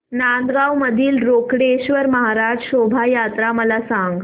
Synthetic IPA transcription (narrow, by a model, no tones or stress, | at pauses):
nand̪ɡawməd̪ʱiːlɾokɽeɕʋəɾməɦaɾad͡ʑɕobʱajat̪ɾaməlasãŋɡ